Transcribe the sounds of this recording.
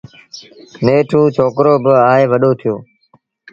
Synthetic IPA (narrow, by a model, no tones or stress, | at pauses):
neːʈʰũːt͡ʃʰoːkɾoːbəaːɦeːʋəɗoːt̪ʰɪjoː